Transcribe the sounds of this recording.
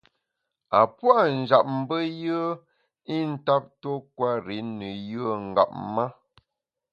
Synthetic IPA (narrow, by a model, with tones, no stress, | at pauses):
a˨pwa˦˨n̩˨d͡ʒa˨p̚m̩˦bə˦jə˦ | i˦n̩˦ta˦p̚to˦kwa˦ɾi˨˦nə˨jə˦˨ŋ̩˨ɡa̰˨p̚ma˦